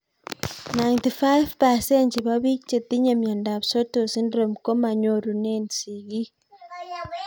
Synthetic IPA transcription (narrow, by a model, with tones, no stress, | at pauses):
na˨jntifa˦jvpa˨sent͡ʃiβa˦βi˦kt͡ʃe˨t̪ːi˦ɲa˨mje˨nda˨βso˦tosi˦ndɾo˨miko˦ma˨ɲoɾu˨nensi˨ɡi˦